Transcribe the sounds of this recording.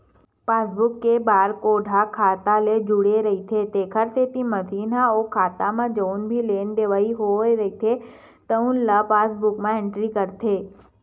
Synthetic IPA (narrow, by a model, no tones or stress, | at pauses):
paːsbʊkːebaːɾkoːɖʱakʰaːt̪aled͡ʒʊɽeɾɐɦit̪ʰet̪eːkʰəɾset̪imɐsiːnaoːkʰaːt̪amãd͡ʒoːnbʱileːnɖ̪eʋaːiɦoeɾɐit̪ʰe | t̪əʊ̃nlapaːsbʊkmãɪ̃ɳʈɾikəɾt̪ʰeː